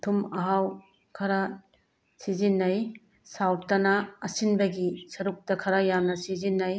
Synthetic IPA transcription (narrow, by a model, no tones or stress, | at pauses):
tʰumɐɦaw | kʰɐɾa | sizinːɐj | sawtɐnɐːsinbɐɡisɐɾuk̚tɐkʰɐɾajamnɐsizinːɐj